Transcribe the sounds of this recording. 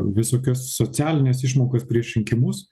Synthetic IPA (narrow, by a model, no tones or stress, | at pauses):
ʋʲɪsoːkʲoːsːot͡s̪ʲæːlʲɪnʲeːsɪʃmoːkospʲɾʲiɛʃʲɾʲɪŋʲkʲɪmuːs